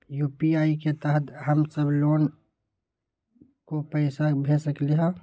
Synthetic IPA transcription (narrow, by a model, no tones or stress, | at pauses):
juːpiaːiket̪əɦət̪ɦəmsəbloːn | kopəɪsabʱesəkliɦã